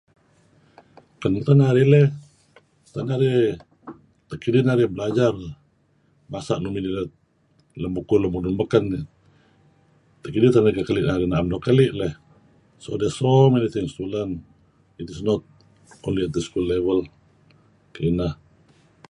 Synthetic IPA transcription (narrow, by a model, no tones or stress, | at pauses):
kanmut̪anaɾilɛh | st̪anaɾi | t̪əkidinaɾibəlad͡ʒar | masaʔnuminilɛ | ləmbukuləmununməkan | t̪əkidit̪anaikakəliʔnaɾinaamnokəliʔlɛh | so̰dɛsomenit̪iŋst̪ulan | inisnɔt̪̚ | o̰liat̪əskulːevəl | kəinah